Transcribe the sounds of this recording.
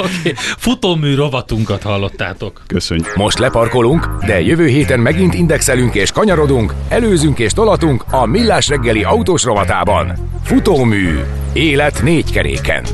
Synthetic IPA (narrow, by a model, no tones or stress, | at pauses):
okeːfut̪oːmyːɾo̞vɒt̪uŋkɒt̪hɒlːo̞t̪ːa̰ːt̪o̞kkøsø̰ɲmo̞ʃt̪lɛpɒrko̞luŋkd̪ɛjøvøːɦeːt̪ɛnmɛɡin̪t̪ind̪ɛksɛlyŋkeːʃkɒɲɒɾo̞d̪uŋkɛløːzyŋkeːʃt̪o̞lɒt̪uŋkɒmilːaːʃrɛɡːɛliʔɒut̪oːʃro̞vɒt̪a̰ːbɒ̰n | fut̪oːmy̰ː | eːlɛt̪neːckɛɾḛːkɛ̰n